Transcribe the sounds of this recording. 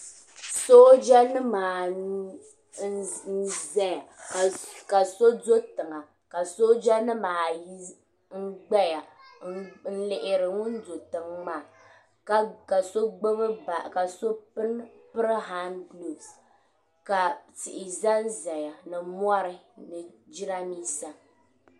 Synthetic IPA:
so˦d͡ʒa˦nɨ˦maː˨˦ | n̩˦zɛ˦a˨ | ka˨so˦do˦tɨ˨ŋa˨ | ka˨so˦d͡ʒa˦nɨ˦maː˨ji˦ | ŋ̩˦ɡ͡bɛ˦ja˨˦ | n̩˦lɪ˨ʔɪ˨ɾɨ˨ŋʊ˦n˦do˨tɨ˨ŋmaː˦˨˦ | ka˨so˦ɡ͡bɨ˦bɨ˦ba˨ka˨so˦pɨ˦n | pɨ˦ɾɨ˦ɦa˦nɡlo˨s | ka˨tɪ˨ʔɪ˨za˦n˦zɛ˨ja˨nɨ˨mwɔ˦ɾɨ˦ | nɨ˨d͡ʒi˦ɾa˦miː˦sa˦

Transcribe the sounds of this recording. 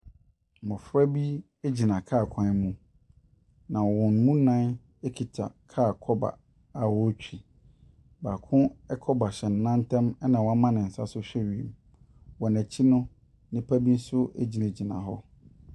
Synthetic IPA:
mɔ̃˨fɾa˦bi˦ | e˦d͡ʑi˨nã˨kʰaː˦˨kʰã˦mũ˦ | nã˨ɔ˨wɔ̃˨n˨mũ˦nã˦n | e˦kʰi˨tʰa̰˨kʰaː˦˨kʰɔ˦ba̰˨ | a˨wɔ˦t͡ɕᶣi˨ | baː˨kʰʊ̃˦ɛ˦kʰɔ˦ba˨ɕɛ˨n˨nã˦n˦tʰɛ̃˦mɛ˦nã˨wɔ˨˦a˦mã˦nɪ̃˨n̩˨sa˦sʊ˦ɕᶣɛ˦ɥi˨m | wɔ˨næ˨t͡ɕʰi˦nʊ̃˦ | nɪ̃˦pʰæ˦bi˦n̩˦sʊ˦e˦d͡ʑi˨nã˨d͡ʑi˨nã̰˨ɦɔ˦

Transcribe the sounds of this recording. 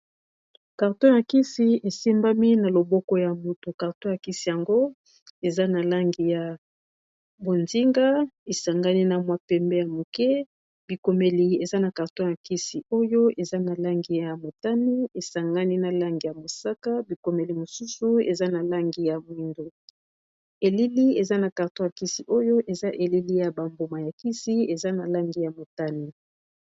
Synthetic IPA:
ka˨ʁtɔ̃˦ja˨ki˦si˨e˨si˦mba˦mi˦na˨lo˨bɔ˦kɔ˦ja˨mo˨to˨ka˨ʁtɔ˦ja˨ki˦si˨ja˨ŋɡo˦ | e˨za˦na˨la˦ŋɡi˨ja˨ | bo˨nzi˦ŋɡa˦e˨sa˨ŋɡa˦ni˦na˨mwa˦pɛ˦mbɛ˦ja˨mo˨kɛ˦ | b̥i˨ko˨me˨li˨e˨za˦na˨ka˨ʁtɔ̃˦ja˨ki˦si˨ʔo˦jo˦e˨za˦na˨la˦ŋɡi˦ja˨mo˨ta˦ni˦e˨sa˨ŋɡa˦ni˦na˨la˦ŋɡi˨ja˨mo˨sa˦ka˦bi˨ko˨me˨li˨mo˨su˦su˦ḛ˨za˦na˨la˦ŋɡi˦ja˨mwi˦ndo˦ | e˨li˦li˦e˨za˦na˨ka˨ʁtõ˦ja˨ki˦si˨ʔo˦jo˦ʔe˨za˦ʔe˨li˦li˦ja˨ba˨mbo˨ma˨ja˨ki˦si˦e˨za˦na˨la˦ŋɡi˦ja˨mo˨ta˦ni˦˨

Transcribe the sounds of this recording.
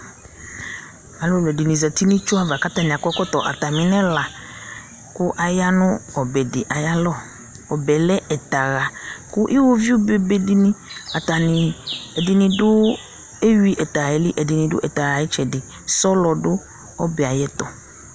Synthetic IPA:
a˨lʊ˦˨lɛ˨dɪ˨nĩ˨zɛ˨t̪i˦nĩ˦t͡ʃʊ˦a˦va˨ka˦t̪a˦nĩ˨a˨kɔ˦kɔ˦t̪ɔ˨ʔa̰˨t̪a˨mɪ̃˨nɛ̃˦la˨ | kʊ˦ʔa˨ja˦nʊ̃˦ɔ˨bɛ˨dɪ˨ʔa˨ja˦lɔ˦˨ | ɔ˨bɛ˨lɛ˦ɛ˨t̪a˨ɣa˨kʊ˦ʔi˦wo˦vi˦o˦be˨be˨dɪ˨nɪ̃˦a˨t̪a˨nɪ̃˨ɛ˨dɪ˨nɪ̃˨dʊ˦ | e˦ɥi˦ʔɛ˨t̪a˨ɣɛ˨lɪ˦ʔɛ˨dɪ˨nɪ̃˨dʊ̰˦ʔɛ˨t̪a˨ɣa˨jɛ˦t͡ʃɛ˨dɪ˨ | sɔ˦lɔ˨dʊ˦ | ɔ˦bɛ˨a˨jɛ˦t̪ɔ˨

